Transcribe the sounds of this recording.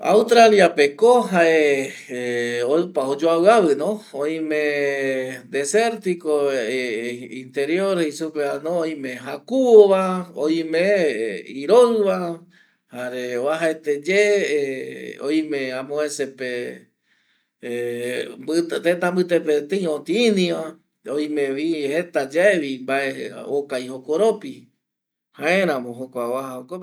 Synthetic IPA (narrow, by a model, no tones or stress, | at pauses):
a̰wst̪ɾaljapekoɦaʔe | oɨpaod͡ʒoaβɨaβɨnõoĩmẽ | d̪eseɾt̪iko | int̪eɾjoɾhisupeanõːj̃mẽɦakuoβaoj̃mẽiɾoɨβa | haɾeoaɦaet̪ed͡ʒe | o̰j̃mẽãmõẽsepe | mbɨt̪et̪ãmbɨt̪epet̪eĩõt̪ĩːnĩã | oj̃mẽʋihet̪ad͡ʒaeβimbaeokajhokoɾopi | hãẽɾ̃ãmõɦokʷaoβahaoko